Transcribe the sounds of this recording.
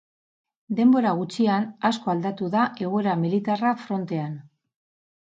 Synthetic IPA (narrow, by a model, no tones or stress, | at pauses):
d̪e̞mbo̞ɾaɣ̞ut͡ʃianasko̞ald̪at̪uðaʔe̞ɣ̞oeɾamilit̪arafɾo̞nt̪e̞an